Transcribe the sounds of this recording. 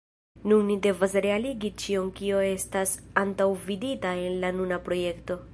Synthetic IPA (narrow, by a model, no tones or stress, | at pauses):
nunːide̞vasɾe̞aliɡit͡ʃio̞nkio̞e̞stasantawviditae̞nlanunapɾo̞je̞kto̞